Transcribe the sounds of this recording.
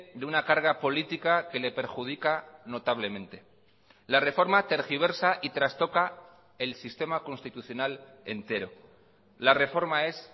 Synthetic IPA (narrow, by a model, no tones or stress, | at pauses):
d̪eunakaɾɣapo̞lit̪ikake̞le̞pe̞ɾxuð̞ikano̞t̪aβ̞le̞mẽ̞nt̪e̞ | lare̞fo̞ɾmat̪eɾxiβ̞e̞ɾsaʔit̪ɾast̪o̞ka | e̞lsist̪e̞mako̞nst̪it̪uθjo̞nal | e̞nt̪e̞ɾo̞ | lare̞fo̞ɾmae̞s